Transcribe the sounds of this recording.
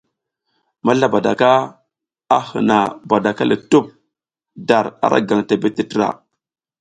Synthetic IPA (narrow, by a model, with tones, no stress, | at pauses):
ma˦ɬa˦ba˨da̰˨ka˦ | a˦hə̰˨na˨ba˨da˨ka˦li˨tu˦˨p̚ | da˨ɾa̰˨ɾʔa̰˦ɡa˨ŋta˨be˦ti˦tə˦ɾa̰˨